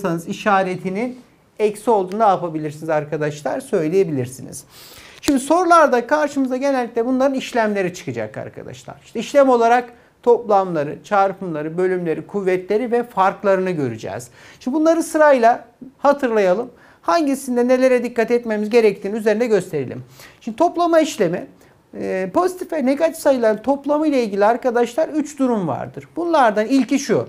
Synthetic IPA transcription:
sanɯziʃaːɾet̪ʰinin | ɛcsio̞lˠd̪uːnd̪aːpabilʲiɾsinizaɾkʰad̪aʃlˠa̰ɾsø̞jlʲeje̞bilʲiɾsinḭz̥ʃimd̪iso̞ɾulˠaɾd̪akʰaɾʃɯmɯzaɟe̞nɛlʲːi̥c̪lʲɛbunlˠaɾɯniʃlʲæmlʲe̞ɾit͡ʃʰɯ̥kɯd͡ʒa̰kʰa̰ɾkʰa̰d̪a̰ʃlˠa̰ɾ̥iʃt̪ɛiʃlʲæmo̞lˠaɾak | t̪ʰo̞plˠamlˠaɾɯ̰t͡ʃʰaːɾpʰɯmlˠaɾɯbø̞lʲymlʲe̞ɾikʰuvːɛt̪lʲe̞ɾivɛfaɾklˠaɾɯnɯɟø̞̰ɾy̰d͡ʒɛ̰ːz̥ | ʃinbunˠaɾɯsɯɾajlˠahat̪ʰɯɾlˠajalˠɯm | haɲɟisind̪ɛne̞lʲe̞ɾɛd̪ikːat̪ɛt̪me̞mizɟe̞ɾɛc̚t̪ʰiːniyze̞ɾind̪ɛɟø̞st̪ʰe̞ɾḭlʲḭmʃind̪it̪ʰo̞plˠamaiʃlʲe̞mi | po̞zit̪ʰifɛneɡat̪ʰi̥fsajɯlˠaɾt̪ʰo̞plˠamɯjlʲˠailʲɟilʲiaɾkad̪aʃlˠaɾyt͡ʃd̪uɾumva̰ɾd̪ɯɾbunlˠaɾd̪anilʲciʃu

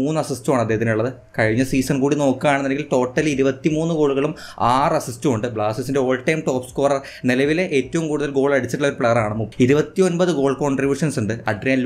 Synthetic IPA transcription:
uːnːɨɐsistuaːɳɐd̪ːeɦɐt̪ːinuɭːɐðɨ | kɐɻiɲːɐsiːsɐnkuːɽino̞ːkːɨaːɳenːɐnːeɡilto̞ːʈːɐliɾubɐt̪ːimuːnːɨɡo̞ːɭuɣɐɭum | aːrɐsistuuɳɖɨbɭaːsis̬inde̞oːɭʈːɐjmʈo̞ːpskoːrɐr | nelɐʋileʔeːtːɐʋumkuːɽuðɐlɡo̞ːɭɐɽit͡ɕːɐiʈːuɭɐo̞ɾupɭejɐraːɳɨmuiɾubɐt̪ːionbɐðɨɡo̞ːɭkoɳɖribjuːʂɐnsuɳɖɨɐɖreːl

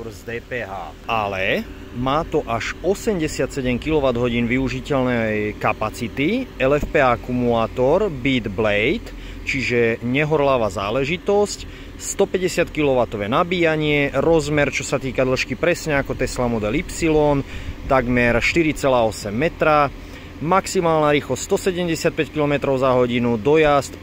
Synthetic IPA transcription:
zd̪ɛːpɛːɦa̰ː | alɛ | maːt̪ɔʔaʃɔsɛmɟɛsɪat̪sɛɟɛmkilɔʋad̪ɦɔɟiːnʋiuʒicɛʎnɛkapat͡sit̪iɛlɛfpɛːakumulaːt̪ɔɾbiːd̪blɛjt̪ | t͡ʃiʒɛɲɛɦɔɾlaːʋaza̰ːlɛʒit̪ɔsc | st̪ɔpɛɟɛsɪat̪kilɔʋat̪ɔʋɛnabiːjaɲɪɛɾɔzmɛɾt͡ʃɔsat̪iːkad̪l̩ʃkipɾɛsɲɛakɔt̪ɛslamɔd̪ɛlipsilɔnt̪aɡmɛɾʃt̪iɾit͡sɛlaːɔsɛmːɛt̪ɾa | maksimaːlnaɾiːxlɔsst̪ɔsɛɟɛmɟɛsɪat̪̚pɛckilɔmɛt̪ɾɔʊzaɦɔɟinud̪ɔjast̪

